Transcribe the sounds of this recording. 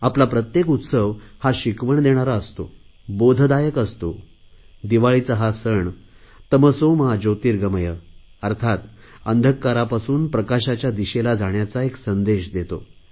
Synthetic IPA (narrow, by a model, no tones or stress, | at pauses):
aplapɾət̪jekut̪səʋhaɕikʋəɳd̪eɽ̃aɾaəst̪obod̪ʱd̪ajəkəst̪o | d̪iʋaɭit͡səɦasəɳ | t̪əməsomɦad͡ʑot̪iːɾɡəməjəəɾt̪ʰat̪ənd̪ʱəkːaɾapasuːnpɾəkaɕat͡ɕjad̪iɕelad͡zʱaɳ̃jat͡saeksənd̪eɕd̪et̪o